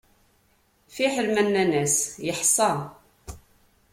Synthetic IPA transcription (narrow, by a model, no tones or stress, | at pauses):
fiħəlmænːænæsjəħsˤɑ